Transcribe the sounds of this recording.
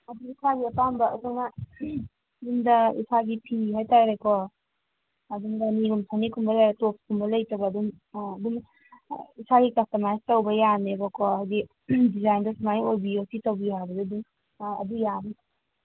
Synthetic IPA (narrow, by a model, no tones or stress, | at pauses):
ɐduisʰaɡiɐpambɐːduŋna | duŋdɐḭsaɡipʰiɦajtaɾekʰɔ | ɐduŋdanilumsʰanikʰumbɐlajɾatop̚kʰumbɐlɐjtɐwbɐːdumː | duŋ | isaɡikɐstɐmajstɐwbɐjanebɔkʰɔajdi | dizajndɔsumajojbiosʰitowbiɦabɐduduŋ | ɐ̰dujani